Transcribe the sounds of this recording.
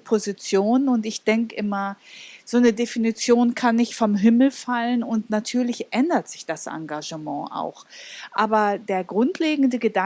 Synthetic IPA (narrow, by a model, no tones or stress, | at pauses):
pʰozit͡sjoːnʊntɪçd̥ɛŋkəʔɪmɐz̥oːnədefinit͡sjoːnkʰanːɪçtfɔmɦɪml̩falənʊntnatʰyːɐlɪçʔɛndɐtz̥ɪçd̥asʔa̰ŋɡaʒəmɑ̃ːʔa̰ʊxʔaːbɐdeːɐɡʁʊntʰleːɡŋ̩dəɡəda